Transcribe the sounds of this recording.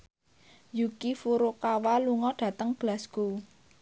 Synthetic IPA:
jukifuɾokawaluŋɔɖ̥ä̤t̪əŋb̥lasku

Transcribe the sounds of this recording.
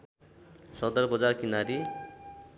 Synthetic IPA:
sʌd̪ʌrbʌd͡zarkinaɾi

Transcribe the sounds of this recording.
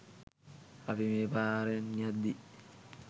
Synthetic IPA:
afimɛpaːɾɛnɲad̪ːi

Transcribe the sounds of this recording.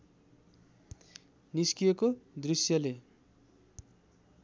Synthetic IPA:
niskijekod̪risjʌle

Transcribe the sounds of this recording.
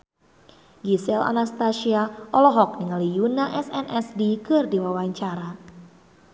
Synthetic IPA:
ɡisɛla̰nast̪asiaʔɔlɔɦɔk̚niŋalijunaʔɛsɛnʔɛsdikɨrdiwawaɲt͡ʃaɾa

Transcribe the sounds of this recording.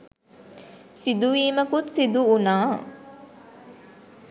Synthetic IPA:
sid̪uʋiːməkut̪sid̪uunaː

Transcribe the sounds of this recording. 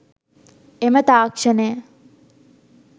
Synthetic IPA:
emət̪aːkʂənejə

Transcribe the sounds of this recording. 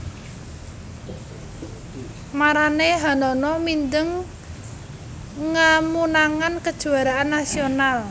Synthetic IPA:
maɾaneɦanɔnɔmind̪əŋ | əmunaŋankəd̥ʒ̥ṳaɾaanːasional

